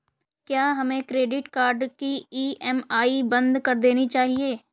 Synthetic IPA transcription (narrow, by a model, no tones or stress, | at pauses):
kjaːɦɐmẽkɾeːɖɪʈkaːɾɖkiiːɛmaːibɐ̃nd̪kɐɾd̪eːnit͡ʃaːɦieː